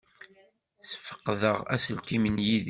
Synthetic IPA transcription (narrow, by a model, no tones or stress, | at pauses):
θfə̥qːðəʁæ̰səlt̪imənjið